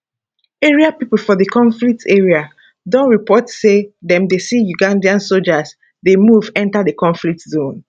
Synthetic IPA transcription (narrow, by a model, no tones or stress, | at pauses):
eɹiapipl̩fɔðəkʰɔ̃ɱflik̚tʰeɹia | dɔ̃nɹipɔtsedɛ̃mdesijuɡãndiãnsold͡ʒaz | demuvɛ̃ntadəkɔ̃nflik̚tzõn